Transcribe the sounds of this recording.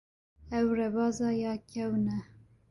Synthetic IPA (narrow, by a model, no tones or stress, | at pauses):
ɛwrɛbɑːzɑːjɑːkʰɛwnɛ